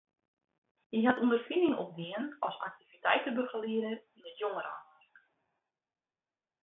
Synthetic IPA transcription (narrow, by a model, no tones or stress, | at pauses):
jəjɦatundərfinɪŋɔ̰p̚diənɔsa̰k̚tivitɛjtəbøɣəliədəinətjoŋəɾa̰ | r